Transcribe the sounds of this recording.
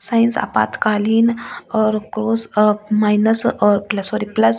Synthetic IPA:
saːjnsa̰pa̰ːt̪kaːliːnɔːɾkɾoːsmaːjnɐsɔːɾplɐsoːɾiplɐs

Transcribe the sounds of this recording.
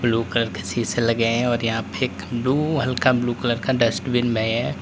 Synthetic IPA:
bluːkələɾkesiselɐɡəeɦɛ̃ɔːɾjɐɦãpeeːkbluːɦɐlkabluːkələɾkaɖɐsʈbɪnbʱɛ̃ɦɛ̃ː

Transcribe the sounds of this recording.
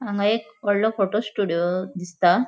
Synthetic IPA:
ãŋɡaekpɔɽlɔfoʈosʈuɽijod̪ist̪a

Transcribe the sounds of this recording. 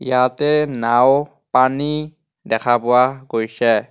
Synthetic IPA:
ijatɛnaw | pani | dɛkʰapʊwaɡojsɛ

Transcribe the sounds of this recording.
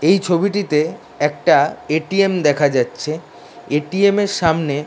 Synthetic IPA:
ejt͡ɕʰobiʈit̪e | ɛk̚ʈaeʈiemd̪ɛkʰad͡ʑatːɕʰe | eʈiemeɾʃamne

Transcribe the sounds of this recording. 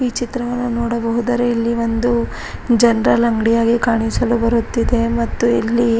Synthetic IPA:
iːt͡ʃit̪ɾɐʋɐnːunoːɽɐbɐɦud̪ɐɾeilːiʋond̪u | d͡ʒɐnɾɐlɐŋɡɽijaːɡikaːɳisɐlubɐɾut̪ːid̪e̞mɐt̪ːuḭlːi

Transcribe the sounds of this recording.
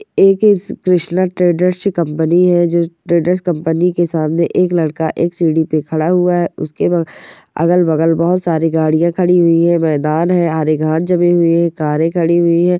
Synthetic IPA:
eːkskɾɪʃnaʈɾeːɖəɾʃkɐ̃mpəniɦɛd͡ʒoːʈɾeːɖəɾskɐ̃mpənikesaːmneʔeːklɐɽkaʔeːksiːɖipekʰɐɽaɦʊaɦɛʊskebɐ | ɐ̰ɡəlbɐɡəlbɔɦʊt̪saːɾiɡaːɽijãkʰɐɽiɦʊiɦɛ̃mɛːd̪aːnɦɛ̃ɦaːɾeɡʱaːnd͡ʒɐmẽɦʊiɦɛ̃kaːɾẽkʰɐɽiɦʊiɦɛ̃ː

